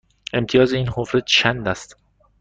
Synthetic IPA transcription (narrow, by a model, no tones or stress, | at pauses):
e̞mt̪ʰijɒːzeiːnhofɾet̪t͡ʃʰænd̪æst̪